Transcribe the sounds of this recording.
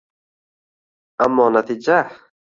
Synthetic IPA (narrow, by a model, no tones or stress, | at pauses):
ʔamːɔːnat̪iːd͡ʒa